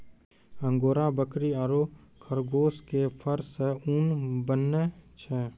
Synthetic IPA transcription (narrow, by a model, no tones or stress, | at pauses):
ə̃ŋɡoːɾabəkɾiaːɾoːkʰəɾɡoːskepʰəɾseunbənːet͡ʃʰɛː